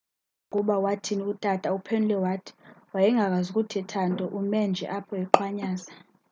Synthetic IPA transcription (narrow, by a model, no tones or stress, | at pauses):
kʼuɓawatʰiniutʼatʼaupʰenulɛwatʰi̥wajɛŋɡʱak̬ʼazukʼutʰɛtʰantʼɔʔumɛnd͡ʒʱɛ̰ʔapʰɔjɛǃwaɲaːza